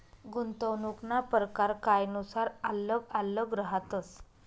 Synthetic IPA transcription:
ɡunt̪əwnuknapəɾəkaɾkajnusaɾalːəɡalːəɡɾəɦat̪ət͡s

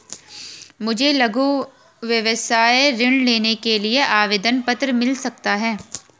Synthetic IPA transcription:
mʊd͡ʒʱelɐɡu | ʋjɐʋəsaːeɾɪɳɖleːnekelieʔaːʋeːd̪ənpɐt̪ɾəmɪlsɐk̚t̪aɦɛː

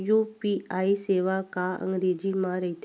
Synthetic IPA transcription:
jupiaiseʋakaə̰̃ŋɡɾed͡ʑimãɾəɦt̪

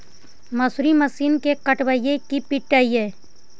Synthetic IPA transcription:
məsɾiməsiːnkekəʈʋaijekipɪʈːaːieː

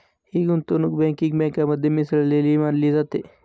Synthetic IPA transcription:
hiɡunt̪onukbẽːkiŋɡbẽːŋkːamɐd̪ɐmisllelimaːnlizat̪e

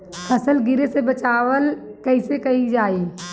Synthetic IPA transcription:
ɐsəlɡɪɾesebɐt͡ʃaːwəlkəɪsekɐid͡ʒaːiː

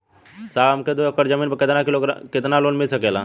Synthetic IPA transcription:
saːəmked̪oəkəɾd͡ʒəmiːnpəkɪt̪nakɪloɡɾkɪt̪naloːnmɪlsəkeːla̰ː

